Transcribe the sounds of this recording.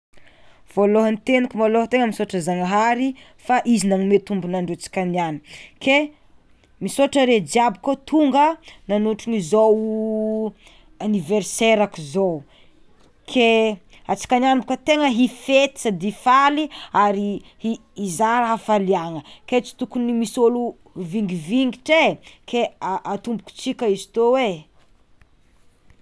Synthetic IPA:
v̥oloɦənt̪enikʲumoloɦt̪eŋəmisoʈ͡ʂəzaŋəɦaɾi | faʔizinaŋimet̪umbunaɳɖ͡ʐeat͡si̥kʲaniani̥kʰe | misoʈ͡ʂəɾed͡ʒiabikot̪ʰuŋɡənanuʈ͡ʂiɲizow | aniveɾseɾakizow | kʰe | at͡si̥kananbukət̪eŋəɦifet̪i̥sad̪ifaliaɾihiːzaɾɦafaliaŋəket͡si̥t̪ukunimisolu | viŋɡiviŋɡiʈ͡ʂekʰeaʔat̪umbuku̥t͡sikʲəizi̥t̪owe

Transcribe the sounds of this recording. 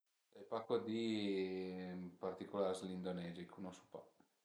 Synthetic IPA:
ɛpakːod̪i | part̪ikolaɾzlind̪onɛːzikʰunosu̥pa̰

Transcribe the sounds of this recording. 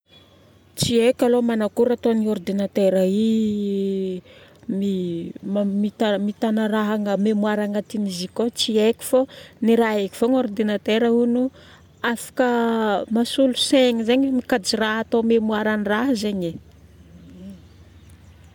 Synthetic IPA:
t͡siekʲalomanakuɾat̪onioɾd̪inat̪eɾai | miamit̪amit̪anaɾaɦaŋəmemuaɾaŋat̪inizikot͡siekʲi̥foniɾaeki̥foŋoɾd̪inat̪eɾəunu | afḁkəmasuluseŋizeɲmikad͡ʒiraɦat̪omemuaɾaniraɦzeɲe

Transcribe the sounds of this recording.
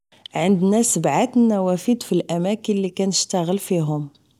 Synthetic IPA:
ʕənd̪næsəbʕat̪nːæwæfid̪filʔæmækənlikænəʃt̪aɣəlfiɦʊm

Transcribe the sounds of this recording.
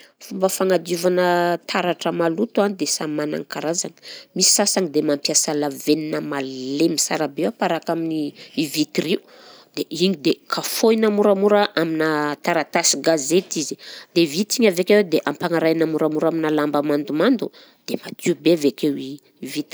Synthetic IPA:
fumbəfaŋad̪ivanət̪ʰaɾaʈ͡ʂəmalut̪uanid̪esamana̰ŋkaɾazanə̥misi̥sasaŋid̪emampjasəlaveninəmallemisaɾabewapaɾakaminiivit̪iriu | d̪̥eʔiɲid̪ekʰafojnamuɾamuɾəʔaminat̪aɾat̪asiɡazet̪izi̥d̪̥evit̪iɲavekʲewed̪eʔampaŋaɾajnamuɾamuɾaminalambamand̪umand̪u | d̪̥emad̪iubevekewi | vit̪

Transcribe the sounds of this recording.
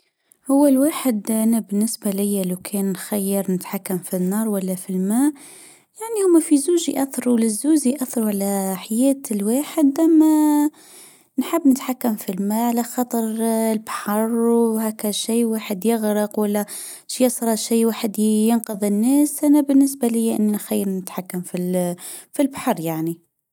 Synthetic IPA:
hʊwːælwaħəd̪ʔænæbənːəsbælɪjːælawkʰɛnːxæjːəɾnət̪ħakːæmfinːɑːɾˤwælːæfilmæ | jaʕnihʊmːæfizuʒḭʔæθɑɾˤulɪzːuziʔæθːɑɾuʕalæħajæːt̪lwaːħəd̪æmæ | nħəbːnət̪ħakːamfilmæʕalæxɑt̪ˤɑɾˤlbħɑɾˤhækæʃiːwaːħəd̪jəɣɾəqwælːæ | ʃjɑsˤɾˤɑʃiːwaːħəd̪jənqəðˤənːæsʔænæbənːəs̬balɪjːʔɪnːnxajːəɾnət̪ħakːamfi | filbaħɑɾˤjaʕni

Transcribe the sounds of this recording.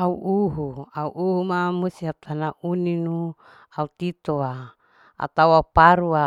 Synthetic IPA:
auʔuɦuauʔuɦumamusiap̚t̪anaʔuninu | aut̪it̪oa | a̰t̪awaupaɾua

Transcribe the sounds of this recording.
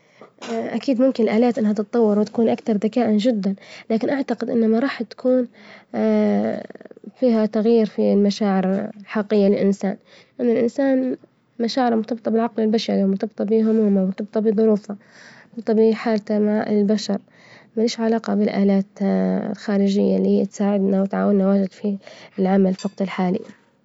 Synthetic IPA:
ʔʔakiːd̪mʊmkɪnɪlʔaːlaːt̪ʔɪnhat̪ɨt̪̚ˤːɑwːɑɾwɪt̪ḁkuːnʔakt̪ɑɾˤd̪akaːʔand͡ʒɪd̪ːanlaːkɪnʔaʕt̪aqɪd̪ʔɪ̰nːamaɾˤɑːħt̪ːḁkʰuːn | fiːɦat̪aɣjiːɾfilmaʃaːʕɪɾħɑqːɪjːalɪlʔɪnsa̰ːn | ʔɪnːʊlʔɪnsaːn | maʃaːʕɪɾmʊt̪ɑb̚t̪ˤɑbɪlʕaqlɪlbaʃɑɾimʊt̪ɑbt̪ˤɑbiɦʊmuːmamʊt̪ɑb̚t̪ˤɑbɨðˤʊɾuːfat̪ɑbt̪ˤɑbiħaːlt̪amaʕʔɪ̰lbaʃɑɾˤ | mɪnɪːʃʕalaːqɑbɪlʔaːlaːt̪lxaːɾɪd͡ʒɪjːalihiːat̪saːʕɪd̪nawɪt̪ʕaːwɪnːawaːd͡ʒɪd̪fiɪlʕamalfɑqt̪ɪlħaːlɪ̰jːa

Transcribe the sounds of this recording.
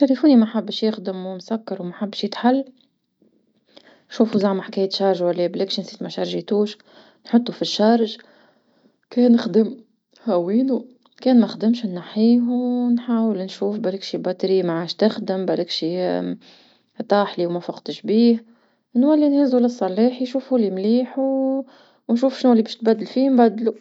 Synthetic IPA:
t̪ælifuːnimæħabːʃjɪxd̪ɪmwmsakːɑɾwmæħabːʃjɪt̪ħalː | nʃuːfuzaʕmħkɛːjət̪ʃɑɾˤʒwælːeːblɪkʃinsiːt̪mæʃɑɾˤʒit̪uːʃ | nħʊt̪ˤːufiʃːɑɾˤʒ | kɛːnɪxd̪əm | hæwiːnu | kɛːnmæxd̪ɪmʃnːaħiːɦnħaːwəlnʃuːfbælɪkʃibɑt̪ɾiːmaʕaːʃt̪ɪxd̪əmbælɪkʃi | t̪ˤɑːħliwmæfɑqt̪əʃbiːh | nwælːinhɪzulɪsˤːɑliːħiʃuːfulimliːħu | nʃuːfʃnulːibɛːʃt̪̚bæd̪ːəlfimbæd̪lu

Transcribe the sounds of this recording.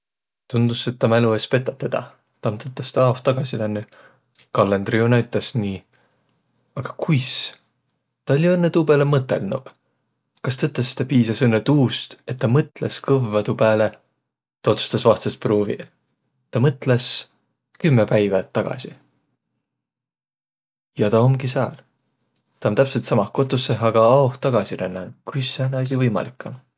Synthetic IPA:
t̪und̪̥use̞t̪ːɑmæluespe̞t̪ːˑɑt̪ːed̪̥ɑ̰ | t̪ɑmt̪ɤt̪ˑːɑst̪ɑɑːft̪ːɑɡ̥ɑsilænːy | kɑlːend̪riunɑyt̪ːˑesniː | ɑɡ̥ɑ̥kujs | t̪ɑolʲːjɤnːet̪uːbelemɤt̪ːˑḛlnṵ | kɑst̪ɤt̪ːˑest̪ɑpiːsɑsenːet̪uːst̪e̞t̪ːɑmɤt̪leskɤvvɑt̪ubæːle | t̪ɑo̞t̪su̥st̪ɑsvɑst̪sesproːvḭ | t̪ɑmɤt̪les | kymːepæjvɑt̪ːɑɡ̥ɑ̰si | jɑt̪ɑomɡis̬ɑːl | t̪ɑont̪æpse̞lt̪sɑmɑhko̞t̪ːˑuseɦɑɡ̥ɑɑoht̪ːɑɡ̥ɑsiɾænːɑnkujsːenɑs̬ʲivɤjmɑ̰likːˑɑm

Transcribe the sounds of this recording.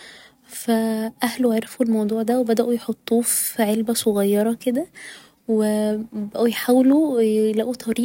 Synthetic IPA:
fæʔæhluʕeɾˤefulmɑwd̪ˤuːʕd̪æwebæd̪æʔujħot̪ˤːuːfʕelbæsˤoɣɑjːɑɾˤɑked̪æ | webæʔujħaːwelulæʔut̪ˤʰɑɾiː

